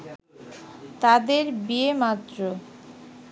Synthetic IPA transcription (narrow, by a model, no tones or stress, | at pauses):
t̪ad̪eɾbiemat̪ːɾo